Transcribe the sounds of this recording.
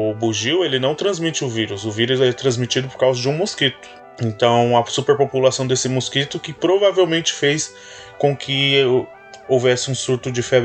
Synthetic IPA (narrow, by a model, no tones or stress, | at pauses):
ʊbuʒiwelɪnɐ̃w̃t̪ɾɐ̃zmit͡ʃɪʊviɾʊsʊviɾʊzɛt̪ɾɐ̃zmit͡ʃid̪ʊpoɾkawzɐd͡ʒɪũmuskit̪ʊ̥ | ẽnt̪ɐ̃w̃ɐsupeɾpopulasɐ̃w̃d̪esɪmuskit̪ʊkɪpɾovavewmẽnt͡ʃɪ̥fejs | kõkʰɪ | owvɛsɪũsuɾt̪ʊd͡ʒɪfɛb